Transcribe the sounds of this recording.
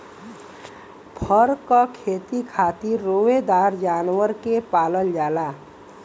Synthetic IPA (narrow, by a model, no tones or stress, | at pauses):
pʰəɾkəkʰet̪ikʰat̪iɾːowed̪aɾd͡ʒanwəɾkepaləld͡ʒala